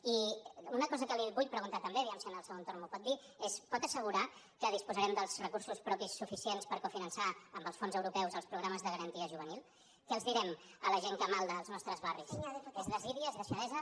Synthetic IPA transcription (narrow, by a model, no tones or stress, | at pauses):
iunəkɔzəkəliβuʎpɾəɣunt̪at̪əmbeðiɛmsiənəlˠsəɣont̪ormupɔt̪̚d̪i | espɔt̪əsəɣuɾa | kəð̞ispuzəɾɛmd̪əlˠzrəkursuspɾɔpisːufisienspəɾkufinənsaəmbəlˠsfonzəwɾupɛwzəlˠspɾuɣɾaməzðəɣəɾənt̪iəʒuβənilˠ | kəəlˠzðiɾɛmələʒeŋkəmalˠd̪əːlznɔst̪ɾəzβarisezðəziðiəzðəʃəðɛzə